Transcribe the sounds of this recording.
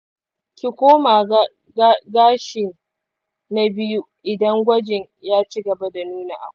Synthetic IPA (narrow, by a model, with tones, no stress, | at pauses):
kʲi˨kʷoː˦maː˨ | ɡaː˦ʃɪ˨n | na˦bɪ˦ju˦ | ʔɪ˨dɐ˦ŋɡʷɐ˦d͡ʒɪ˨ɲ | jaː˦t͡ʃi˦ɡɐ˨ba˦da˨nuː˦na̰ː˨ʔa̰˨˦